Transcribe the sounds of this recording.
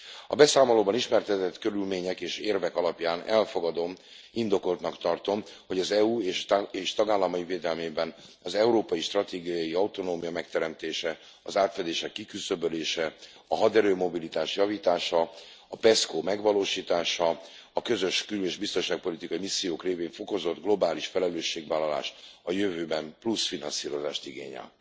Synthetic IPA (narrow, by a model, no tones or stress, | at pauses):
ɒ̰bɛsaːmoloːbɒniʃmɛrt̪ɛt̪ɛt̪kø̞ɾylmeːɲɛkeːʃeːrvɛkɒlɒpjaːnɛlfo̞ɡɒd̪o̞m | ind̪o̞ko̞lt̪nɒkt̪ɒrt̪o̞mho̞ɟɒzɛuːeːʃeːʃt̪ɒɡaːlːɒmɒjiveːd̪ɛlmeːbɛn | ɒzɛuɾoːpɒjiʃt̪rɒt̪eːɡijɒjiɒut̪o̞noːmijɒmɛkt̪ɛɾɛmt̪eːʃɛ | ɒzaːt̪fɛd̪eːʃɛkːikysø̞bøleːʃɛ | ɒɦɒd̪ɛɾøːmo̞bilit̪aːʃjɒviːt̪aːʃɒ | ɒpɛskoːmɛɡvɒloːʃiːt̪aːʃɒ | ɒkø̞zø̞ʃkyleːʒbist̪o̞nʃaːk̚po̞lit̪ikɒimisːijoːkreːveːɱfo̞ko̞zo̞d̪ɡlo̞baːliʃfɛlɛløːʃːeːɡvaːlːɒla̰ːʃɒjøvøːbɛmplusfinɒnsiːɾo̞za̰ːʃt̪iɡḛːɲɛ̰l